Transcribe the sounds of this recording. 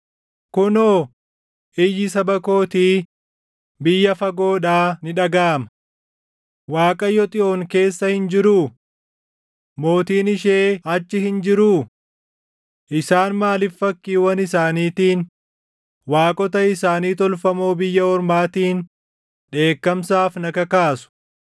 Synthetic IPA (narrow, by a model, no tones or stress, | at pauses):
kʊnoː | ɪjɪsɐbɐko̞ːt̪iː | bɪjːɐfɐɡo̞ːᶑaːnɪᶑɐɡaːmɐ | waːkʼɐjɔt̪ʼɪʔoːŋke̞ːsːɐhɪnd͡ʒɪɾuː | mo̞ːt̪iːnɪʃeːɐt͡ʃːɪhɪnd͡ʒɪɾuː | ʔɪsaːnmaːlɪfːɐkːiːwɐnɪsaːniːt̪iːn | waːkʼɔt̪ɐɪsaːniːt̪ɔlfɐmoːbɪjːɐɔɾmaːt̪iːn | ᶑe̞ːkːɐmsaːfnɐkɐkaːsʊ̥